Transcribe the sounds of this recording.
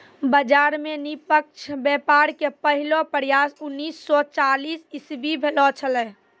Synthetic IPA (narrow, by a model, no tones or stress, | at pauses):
bəd͡ʒaːɾmenipəkʃʰbɛpaɾkepəɦɪlopəɾjasʊnːiːsːɔt͡ʃaliːsɪsbibʱelɔt͡ʃʰəlɛː